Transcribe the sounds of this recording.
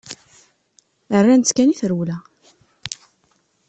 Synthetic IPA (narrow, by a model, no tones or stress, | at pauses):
ərːænt͡s̪ːkæniθəɾwlæ